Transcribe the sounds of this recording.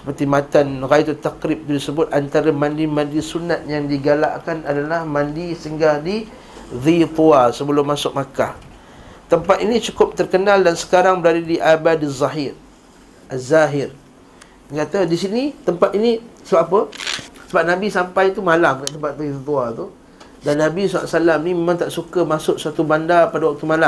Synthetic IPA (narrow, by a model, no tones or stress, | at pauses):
sə̥pərt̪imat̪anɣajt̪ut̪akɾip̚t̪udisəbʊt̪̚ant̪aɾamandimãndisunat̪̚jaŋdiɡala̰ʔkanʔadalahmandisəŋɡahdi | ðit̪uasəbəlʊmːasʊk̚makah | t̪əmpat̪̚init͡ʃukʊp̚t̪ərkənaldansə̥kaɾaŋbəɾadədiʔabadazˤaɦɪr | ʔazaɦɪr | kat̪adisinit̪əmpat̪̚inĩsəbaʔapəsəbap̚nabisampajt̪umalamkaʔt̪əmpat̪̚t̪it̪uat̪u | danːabisɔa̰ʔsalamnimemãŋt̪aʔsukəmasʊk̚sat̪ubandapadawak̚t̪umalam